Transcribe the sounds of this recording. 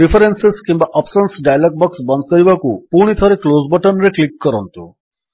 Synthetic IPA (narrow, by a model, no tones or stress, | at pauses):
ɾifʰəɾensiskĩmbaʔəpsənsɖajlək̚bəksbə̃nd̪̚kəɾibakupuɾɽ̃it̪ʰəɾeklozbəʈənɾeklikːəɾənt̪ṵ